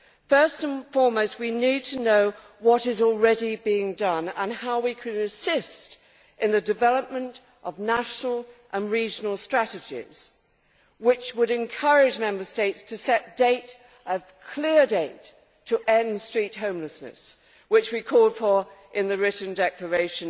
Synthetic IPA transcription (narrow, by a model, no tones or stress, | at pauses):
fɜ˞stə̃nfɔɹmoʊst̚winid̚tʰɨnoʊ | wʌɾɨzl̩ˠɹɛɾibiɪ̃ŋdʌ̃nə̃nhaʊwikʰɨɾɨ̃sɪst | ʔɨ̃nðɨdɨvɛlˠəp̚mɨ̃nt | ʔʌvnæʃnl̩ˠʔə̃nɹid͡ʒn̩l̩ˠstɹ̥æɾɨd͡ʒɪ̰z̥ | wɪt͡ʃwəɾɨ̃nkʰʌ˞ɪd͡ʒmɛ̃mbə˞steɪtstʰɨsɛt̚d̥eɪt | ʔʌv̥kʰl̥ɪɹdeɪtʰ | əʔɛ̃nstɹ̥it̚ɦõʊ̃mləsnɨ̰s | wɨt͡ʃwikʰɔlˠd̥fə˞ʔɨ̃nðɨɹɪʔn̩dɛklə˞eɪʃɨ̃n